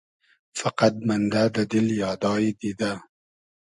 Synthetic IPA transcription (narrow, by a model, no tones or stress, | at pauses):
faqat̪̚mand̪ad̪əd̪ɪljɑːd̪ɑːjed̪id̪a